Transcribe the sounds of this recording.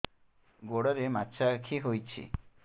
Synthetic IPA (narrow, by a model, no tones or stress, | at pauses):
ɡoɽɔɾematːt͡ʃʰakʰiɦojt͡ʃʰḭ